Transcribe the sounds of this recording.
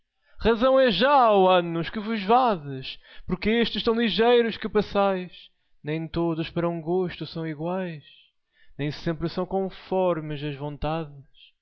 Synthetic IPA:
ʁɐzɐ̃w̃ɛʒawɐnuʃkɨvuʒvaðɨʃpuɾkɨeʃt̪z̥ʃt̪ɐ̃w̃lˠiʒejɾuʃkɨpɐsajʃ | nẽj̃t̪oðuʃpɐɾɐũɡoʃt̪usɐ̃w̃iɣwajʃ | nẽj̃sẽmpɾɨsɐ̃w̃kõfɔɾmɨʃɐʒvõnt̪aðɨʃ

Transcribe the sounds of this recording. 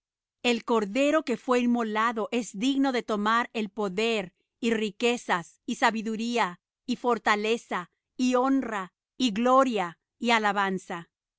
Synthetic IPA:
e̞lko̞ɾðe̞ɾo̞ke̞fwe̞imolaðo̞ʔe̞zd̪iɣno̞ðe̞t̪o̞maɾe̞lpo̞ðe̞ɾ | irike̞sas | isaβiðuɾia | ifo̞ɾt̪ale̞sa | io̞nra | iɣlo̞ɾja | ialaβansa

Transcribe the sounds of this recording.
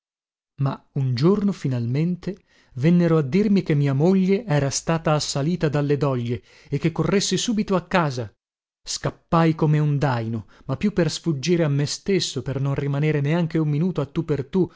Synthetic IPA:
ma | und͡ʒornofinalment̪e | vɛnːeɾoad̪ːirmik̟emːiːamoʎːeʔɛːɾast̪aːt̪aːsːaliːt̪ad̪alːed̪ɔʎːe | ekːekːorːesːisuːbit̪oakːaːza | skapːajkomeund̪ajnomapːjupːersfud͡ʒːiːɾeamːest̪esːopernonrimaneːɾeneaŋk̟eummːinuːt̪oat̪ːupːert̪u

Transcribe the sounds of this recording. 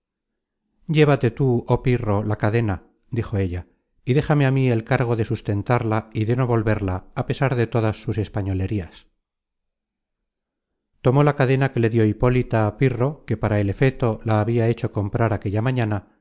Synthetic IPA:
ɟ͡ʝe̞βat̪e̞t̪uopiro̞lakaðe̞na | d̪ixo̞e̞ʎa | iðe̞xameamie̞lkaɾɣ̞o̞ðe̞sust̪e̞nt̪aɾlaiðe̞no̞βo̞lβe̞ɾlaːpe̞saɾðe̞t̪o̞ðasːuse̞spaɲo̞le̞ɾias | t̪o̞mo̞lakaðe̞nake̞le̞ðjo̞ipo̞lit̪aːpiro̞ke̞paɾae̞le̞fe̞t̪o̞laːβiae̞t͡ʃo̞ko̞mpɾaɾake̞ʎamaɲana

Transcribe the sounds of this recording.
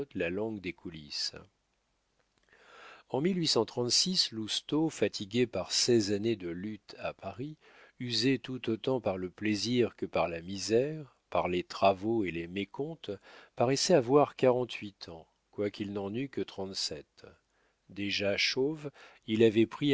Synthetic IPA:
t̪lalɑ̃ɡd̪ekʰulis | ɑ̃milɥisɑ̃t̪χɑ̃t̪sislust̪ofat̪ʰiɡʲepaʁsɛzaned̪əlyt̪apaʁi | yzet̪ut̪ot̪ɑ̃paʁləpleziʁkəpaʁlamizɛʁ | paʁlet̪χavoelemekɔ̃t̪paʁɛsɛavwaʁkaʁɑ̃t̪ʰɥit̪ʰɑ̃ | kwakʲilnɑ̃nykət̪χɑ̃t̪sɛt̪ | d̪eʒaʃov | ilavɛpχi

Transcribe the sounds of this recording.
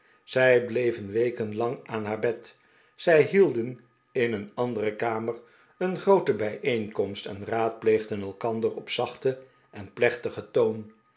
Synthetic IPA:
z̥ɛjblejvənʋejkənlɑŋaːnɦaːɹbɛt | z̥ɛjɦilˠdən | ɪnənɑndərəkaːmər | ənχrowtəbɛjʔejŋkɔmstɛ̰nraːt̚plejχdənɛlˠkɑndərɔpsɑχtə | ʔɛnplɛχtəχətown

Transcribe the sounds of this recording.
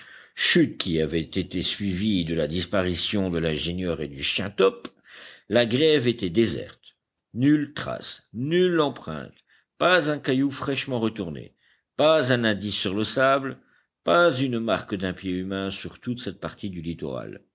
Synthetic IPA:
ʃyt̪̚kʲiavɛt̪et̪esɥivid̪əlad̪ispaʁisjɔ̃d̪əlɛ̃ʒenjœʁed̪yʃjɛ̃t̪ɔp | laɡʁɛvet̪ɛd̪ezɛ̰ʁt̪ | nylt̪χa̰snylːɑ̃pχɛ̰̃t̪ | pazɛ̃kajufχɛʃmɑ̃ʁət̪uʁnḛ | pazɛ̃nɛ̃d̪isːyʁləsabl | pazynmaʁkd̪ɛ̃pjeymɛ̃syʁt̪ut̪sɛt̪̚paʁt̪id̪ylit̪ɔ̰ʁa̰l

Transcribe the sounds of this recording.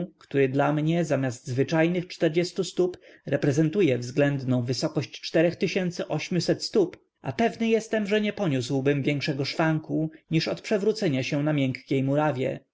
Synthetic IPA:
kt̪uɾɘd̪lamɲɛzamʲjasd̪zvɘt͡ʂajnɘxt͡ʂt̪ɛɾd͡ʑɛst̪ust̪upɾɛpɾɛzɛnt̪ujɛvzɡlɛnd̪nɔ̃w̃vɘsɔkɔɕt͡ɕt͡ʂt̪ɛɾɛxt̪ɘɕɛnt̪sɘʔɔɕmʲjusɛt̪st̪up | ʔa̰pɛvnɘjɛst̪ɛmʐɛɲɛpɔɲuswbɘmvʲjɛŋkʂɛɡɔʂfaŋkuɲiʂɔt̪pʂɛvɾut̪sɛɲaɕɛnamʲjɛŋkkʲejmuɾavʲjɛ̰

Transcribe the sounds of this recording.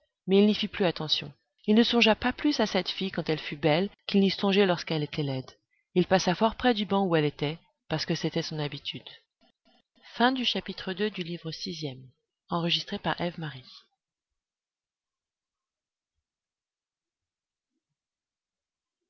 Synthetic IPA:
mɛilnifiplyat̪ɑ̃sjɔ̃ | ilnəsɔ̃ʒapaplysasɛt̪fijkɑ̃t̪ɛlfybɛlkʲilnisɔ̃ʒɛlɔʁskɛlet̪ɛlɛd̪ | ilpasafɔʁpχɛd̪ybɑ̃uɛlet̪ɛ | paʁsə̥kəset̪ɛsɔ̃nabit̪ʰyd̪ | fɛ̃d̪yʃapit̪χəd̪ød̪ylivʁəsizjɛm | ɑ̃ʁəʒist̪χepaʁʔɛvmaʁi

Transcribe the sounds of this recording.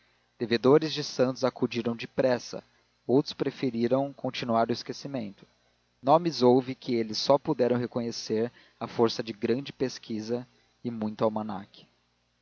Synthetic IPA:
d̪̥eved̪oɾɪzd͡ʒɪsɐ̃nt̪ʊzakud͡ʒiɾɐ̃w̃d͡ʒɪpɾɛsɐ̰ | owt̪ɾʊ̥spɾefeɾiɾɐ̃w̃kõnt͡ʃinuaɾʊiskesimẽnt̪ʊ̥ | nõmɪzowvɪkʰɪelɪsːɔpud̪ɛɾɐ̃w̃ɦekõɲeseɾ | ɐfoɾsɐd͡ʒɪɡɾɐ̃d͡ʒɪpeskizɐ | ɪmũj̃t̪ʊawmɐna̰kɪ̥

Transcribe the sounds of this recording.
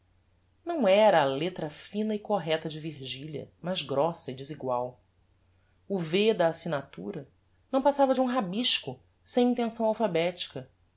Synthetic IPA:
nɐ̃w̃ɛɾɐːlet̪ɾɐfĩnɐikoɦɛt̪ɐd͡ʒɪviɾʒiʎjɐ̰mɐzɡɾɔsɐɪd͡ʒɪziɡwaw | ʊved̪ɐːsinat̪ṵɾɐ | nɐ̃w̃pasavɐd͡ʒɪũɦabiʃkʊ | sẽj̃ĩnt̪ẽsɐ̃w̃awfabɛt͡ʃi̥kɐ

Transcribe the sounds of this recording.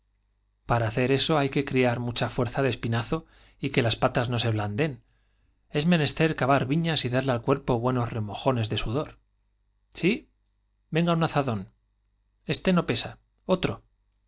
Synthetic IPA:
paɾaːθeɾe̞so̞ajke̞kɾiaɾmut͡ʃafwe̞ɾθaðe̞spinaθo̞ | ike̞laspat̪azno̞se̞β̞land̪e̞n | e̞zmẽ̞ne̞st̪e̞ɾkaβaɾβiɲasiðaɾlealkwe̞ɾpo̞βwe̞no̞zre̞mo̞xo̞ne̞zðe̞suðo̞ɾ | si | be̞ŋɡaunaθaðo̞n | e̞st̪e̞no̞pe̞sa | o̞t̪ɾo̞

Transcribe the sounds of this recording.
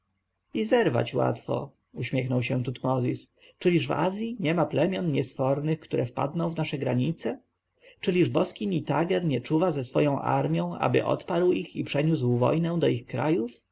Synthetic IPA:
izɛɾva̰t͡ɕwa̰t̪fɔ̰ | uɕmʲjɛxnɔwɕɛt̪ut̪mɔzʲis | t͡ʂɘlʲiʐva̰zʲjiɲɛmaplɛmʲjɔnɲɛsfɔɾnɘxkt̪uɾʔɛfpa̰d̪nɔ̃w̃vnaʂɛɡɾaɲit̪sɛ | t͡ʂɘlʲiʐbɔskʲiɲit̪aɡɛɾɲɛt͡ʂuvazɛsfɔjɔ̃w̃ʔa̰ɾmʲjɔ̃w̃a̰bɘ̰ʔɔ̰t̪paɾwixipʂɛɲuswvɔ̰jnɛw̃d̪ɔixkɾa̰juf

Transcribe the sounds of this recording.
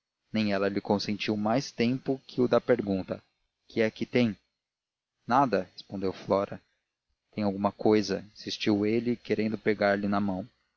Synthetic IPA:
nẽj̃ɛlɐlɪkõsẽnt͡ʃiwmajst̪ẽmpʊkʰɪʊd̪ɐpeɾɡũnt̪ɐ | kʰɪɛkɪt̪ẽj̃ | nad̪ɐhe̥spõnd̪ewflɔɾɐ | t̪ẽj̃awɡũmɐkojzɐĩsist͡ʃiwelɪkeɾẽnd̪ʊpeɡaɾlɪnɐmɐ̃w̃

